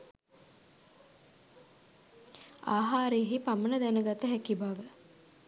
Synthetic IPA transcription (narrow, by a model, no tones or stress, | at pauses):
aːɦaːɾeɦipamənəd̪ænəɡat̪əɦækibaʋə